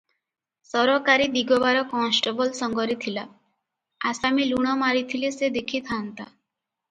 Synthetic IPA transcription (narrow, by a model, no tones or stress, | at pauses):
sɔɾɔkaɾid̪iɡɔbaɾɔkɔ̃nsʈebɔlsɔŋɡɔɾit̪ʰila | asamiluɽ̃ɔmaɾit̪ʰilised̪ekʰit̪ʰant̪a̰